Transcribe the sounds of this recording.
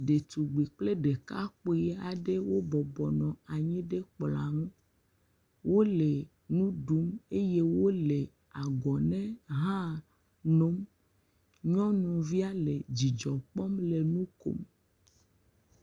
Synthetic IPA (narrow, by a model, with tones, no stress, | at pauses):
ɖe˨t̪u˨ɡ͡bi˨k͡ple˦ɖe˨ka˦k͡po˨˦a˨ɖe˦wo˦bɔ˨bɔ˨nɔ̃˨a˨ɲĩ˦ɖe˦k͡pla˨ŋũ˦ | wo˦le˨ | nũ˦ɖu˨˦me˦je˦wo˦le˨ | a˨ɡɔ˨nɛ̃˦ɦã˦ | no˦m | ɲɔ̃˦nũ˨vi˦a˦le˨d͡ʑi˨d͡ʒɔ˨k͡pɔ˦mle˨nũ˦ko̰˦m